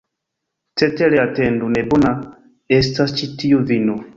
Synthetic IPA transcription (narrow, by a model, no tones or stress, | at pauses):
tɛtɛlɛatɛndunɛbona | ɛstast͡ʃitijovino